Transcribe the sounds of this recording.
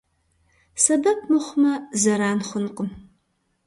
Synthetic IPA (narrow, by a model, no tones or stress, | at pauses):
sɐbɐp̚ʰmɨχʷʊmɐzɐɾaːnχʷʊnqʼəm